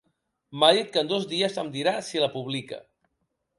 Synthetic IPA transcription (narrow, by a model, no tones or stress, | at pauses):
maðit̪̚kənd̪ozðiəsəmd̪iɾasiləpuβ̞likə̰